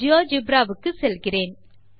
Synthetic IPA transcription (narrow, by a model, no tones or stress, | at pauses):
ɪjoːd͡ʒɪbɾaːʋɯkːɯsɛlɣɪreːn